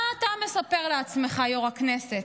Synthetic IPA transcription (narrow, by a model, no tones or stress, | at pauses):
t̪ame̞sape̞ʁleat͡sme̞χajoʁakneset